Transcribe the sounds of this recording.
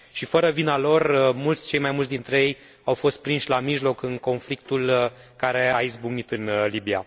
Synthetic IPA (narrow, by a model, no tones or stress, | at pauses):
ʃifəɾəvinalo̞rmult̪sʲt͡ʃe̞jmajmult̪ʲd̪int̪ɾe̞je̞j | awfo̞st̪̚pɾinʃʲlamiʒlo̞kɨŋko̞nflik̚t̪ulkaɾe̞aizbuɡnit̪ɨnlibia̰